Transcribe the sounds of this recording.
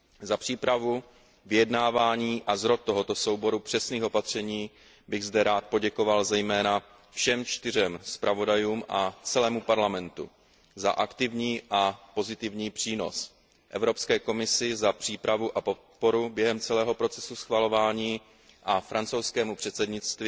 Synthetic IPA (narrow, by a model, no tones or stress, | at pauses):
zapr̝̥iːpɾavu | vɪjɛdnaːvaːɲiːʔazɾo̞t̪̚ːo̞ɦo̞t̪o̞so̞wbo̞ɾupr̥ɛsniːxo̞pat̪r̝̥ɛɲiː | bɪɣzdɛɾaːt̪̚po̞ɟɛko̞valzɛjmɛːna | fʃɛmt͡ʃt̪ɪr̝ɛmspɾʔavo̞dajuːmʔat͡sɛlɛːmupaɾlamɛnt̪ṵ | za̰ʔakt̪ɪvɲiːʔapo̞zɪt̪ɪvɲiːpr̥iːno̞̰s | ʔɛvɾo̞pskɛːko̞mɪsɪzapr̥iːpɾavuʔapo̞t̪̚po̞ɾubjɛɦɛmt͡sɛlɛːɦo̞pɾo̞t͡sɛsusxvalo̞vaːɲiː | ʔafɾant͡so̞wskɛːmupr̥ɛt̪sɛdɲɪt͡st̪v